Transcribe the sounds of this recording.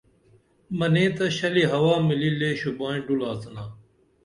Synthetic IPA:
mɐnẽːt̪ɐɕɐliɦɐwaːmilileːɕubãːĩɖulaːsɐnaː

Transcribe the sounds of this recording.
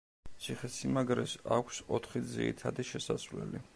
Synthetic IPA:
t̪sʰiχɛsimaɡɾɛsa̰kʷʰsɔt̪ʰχid̪zḭit̪ʰad̪iʃɛsasvlɛli

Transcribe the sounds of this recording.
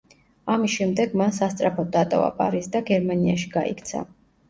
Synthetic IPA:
amisʃɛmd̪ɛɡmansast̪sʼɾapʰɔd̪at̪ʼɔ̰va̰pʼaɾizd̪aɡɛɾmaniaʃiɡaʔḭkʰt̪sʰa̰

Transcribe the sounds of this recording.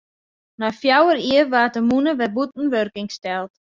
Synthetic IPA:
nafjawəɾiərʋaːt̚əmunəʋɛbut̚n̩ʋørkɪŋstɛlˠt

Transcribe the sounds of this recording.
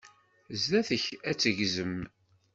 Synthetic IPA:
zðæθəçæt͡sːəʝzəm

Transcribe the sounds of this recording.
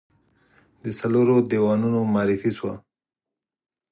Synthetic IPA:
d̪əsaloɾod̪ewɑnunomɑɾifiswa

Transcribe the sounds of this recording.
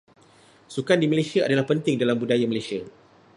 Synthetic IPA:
sukandiməlesiaʔadalahpənt̪ɪŋdalambudajaməlesia

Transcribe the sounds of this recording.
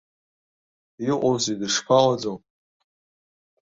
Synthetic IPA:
iqʷʼozidɨʂpʰalad͡zow

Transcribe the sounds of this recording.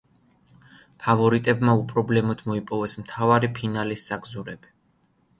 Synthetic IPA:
pʰavɔɾit̪ʼɛbmaupʼɾɔblɛmɔd̪̥mɔipʼɔvɛsmt̪ʰavaɾipʰinalisːaɡzuɾɛb̥i̥

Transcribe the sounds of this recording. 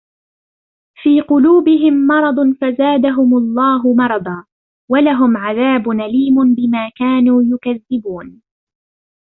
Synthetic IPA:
fiːqʊluːbɪɦɪmːɑɾˤɑd̪ˤnfazaːd̪aɦʊmʊlˤːɑːɦʊmɑɾˤɑd̪ˤɑː | walaɦʊmʕaðaːbʊnaliːmʊnbɪmaːkaːnuːjʊkaðːɪbuːn

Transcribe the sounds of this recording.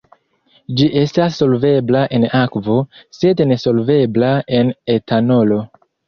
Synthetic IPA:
d͡ʒiʔe̞stasːo̞lve̞blaʔe̞nakvo̞se̞dne̞so̞lve̞blae̞ne̞tʰano̞lo̞

